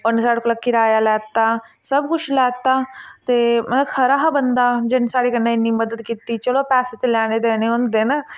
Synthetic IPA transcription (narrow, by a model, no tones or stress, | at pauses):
ʊnsaːɽekləkɪɾaːjaːlɛːt̪aːsəbkʊt͡ʃʰlɛːt̪aːt̪eːm̃ːkʰəɾaːɦbənd̪aːd͡ʒɪnsaːɽeːkənːaːɪnːiːməd̪əd̪kiːt̪iːt͡ʃəloːpɛːseːt̪eːlɛːneːd̪eːneːɦõnd̪eːnaː